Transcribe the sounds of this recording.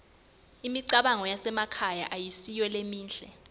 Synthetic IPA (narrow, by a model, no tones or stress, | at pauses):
imiǀaɓaŋɔjasɛmakʰajaʔajisijɛlemiːnd͡ɮʱɛ